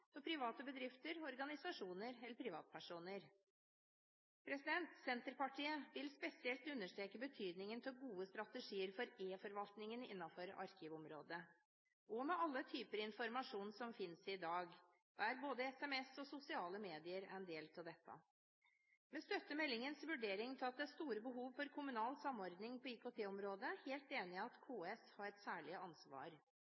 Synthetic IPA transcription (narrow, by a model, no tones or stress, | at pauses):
ɔpʰɾɪʋɑːt̪əbəd̪ɾɪft̪əɾɔɾɡɑnɪsɑʂuːnəɾɛləɾpʰɾɪʋɑːt̪̚pʰæʂuːnəɾ | pʰɾɛsɪd̪ɛnt̪sɛnt̪əɾpɑʈʰiːəʋɪlspɛsɪɛlt̪ʉnːəʂʈ̪ɾeːkəbət̪ʰyːd̪nɪŋənt̪ʰɪlɡuːəst̪ɾɑt̪əʂiːəɾfɔɾeːfɔɾʋɑlt̪nɪŋənɪ̰nːɑfɔɾɑ̰ɾkɪʋɔmɾo̰ːd̪ə | ʔɔmɛʔɑlːət̪ʰyːpəɾɪnfɔɾmɑʂuːnsɔmfɪnsɪd̪ɑːɡ | dæɾboːd̪əɛsɛmɛsɔsʊsɪɑːləmeːd̪ɪəɾæ̰ɾɛnd̪eːlt̪ʰɪld̪ɛt̪ʰːɑ̰ | mɛst̪œt̪ːəmɛlːɪŋənsʋʉɖeːɾɪŋt̪ʰɪlɑt̪̚d̪ɛæst̪uːɾəbəɦuːʋfɔɾkʰʊmʉnɑːlsɑmːɔɾd̪nɪŋpʰɔiːkʰoːt̪ʰeːɔmɾoːd̪əheːlt̪eːnɪɑt̪kʰoːɛshɑɾɛt̪sæːɭɪəɑnsʋɑ̰ːɾ